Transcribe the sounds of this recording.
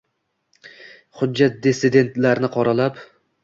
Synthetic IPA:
χʊːat̪̚d̪esɪd̪e̞nt̪laɾnɪqʰɒɾalap

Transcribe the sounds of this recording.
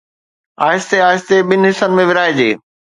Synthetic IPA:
a̰ːɪst̪eaːɪst̪eɓɪnɪɦɪsənɪmẽʋɪɾaːed͡ʑeː

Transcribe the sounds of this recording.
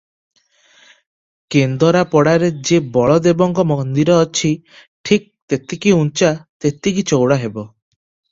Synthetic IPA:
kend̪ɔɾapɔɽaɾed͡ʒebɔɭɔd̪ebɔŋkɔmɔnd̪iɾɔːt͡ʃʰi | ʈʰik̚t̪et̪ikiunt͡ʃat̪et̪ikit͡ʃowɽaɦebɔ

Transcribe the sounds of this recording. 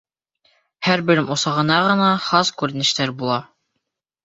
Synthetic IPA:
hæɾbɘ̆ɾɘmosɑʁɤ̆nɑʁɤ̆nɑχɑskʉɾɘ̆nɘ̆ʃt̪æɾbulˠɑ

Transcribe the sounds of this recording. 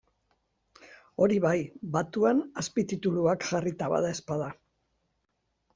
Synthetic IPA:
o̞ɾiβajbat̪uanaspit̪it̪uluakʝarit̪aβa̰ðae̞spaða

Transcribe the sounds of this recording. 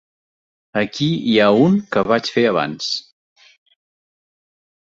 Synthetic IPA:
əkiiauŋkəβ̞at͡ʃfeəβa̰ns

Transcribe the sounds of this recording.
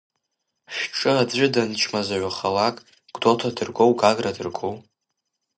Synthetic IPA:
ʃᶣʈ͡ʂʼɨad͡zʷɪdant͡ʃʰmazaʕʷaχalakʼ | ɡ̥dotʰadɨrɡowɡaɡradɨrɡow

